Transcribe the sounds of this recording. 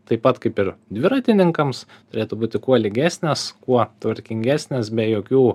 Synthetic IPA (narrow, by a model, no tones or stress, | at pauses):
t̪ɐɪpɐt̪kɐɪpɪɾd̪ʲʋʲɪɾɐt̪ʲɪnʲɪŋkɐms | t̪ʊɾʲeːt̪uːbuːt̪ʲɪkuɔlʲɪɡʲæːsʲnʲeskuɔt̪ʋɐɾʲkʲɪŋʲɡʲæːsʲnʲeːsbʲɛjoːkʲuː